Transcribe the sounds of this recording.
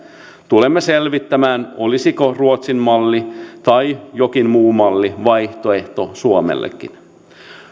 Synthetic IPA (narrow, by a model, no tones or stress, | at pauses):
t̪ulemːeselʋit̪ːæmæːno̞lisiko̞ruot̪simmɑlːit̪ɑjjo̞k̟inmuːmɑlːiʋɑjht̪oe̞ht̪o̞suomḛlːḛkːḭn